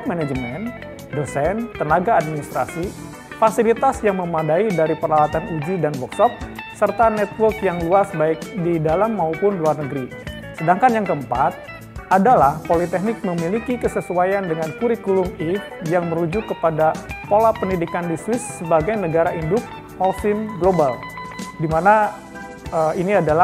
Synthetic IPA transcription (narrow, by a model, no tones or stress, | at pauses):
k̚mɛnad͡ʒəmɛn | dəsɛnt̪ənaɡaːd̚minist̪ɾa̰si | fasilit̪asjaŋməmadaidaɾipərlawat̪anud͡ʒudanbɔksɔk̚sərt̪anɛt̪̚wərkjaŋluasbaɪk̚didalamːaupʊnluarnəɡəɾi | sədaŋkanjaŋkəmpat̪̚ | ʔadalahpolit̪ɛknɪk̚məmilikikəsəsuajandəŋankuɾikulʊmi | jaŋməɾud͡ʒʊkːəpadapolapəndidikandiswɪsːəbaɡajnəɡaɾaʔindʊk̚ | hɔlsɪmɡlobaldimana | əiniadala